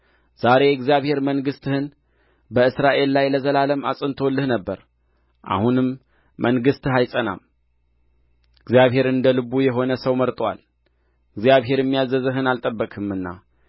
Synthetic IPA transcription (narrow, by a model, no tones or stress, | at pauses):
z̥aɾe̞jɛɡzjaβhe̞ɾməŋɡɨst̪ɨhɨn | bəɨsɾaʔe̞lːajləzəlaləma̰sʼɨnt̪ʰolːɨhnəbːəɾ | ʔa̰hunɨmː | əŋɡɨst̪ɨhajsʼəna̰m | ɨɡzjaβɦe̞ɾɨnd̪əlɨβujɛɦo̞nəsəwməɾt̪ʼwa̰l | ɨɡzjaβɦe̞ɾɛmːijazəzɨɦɨnalt̪ʼəbːəkʼɨmɨnːa̰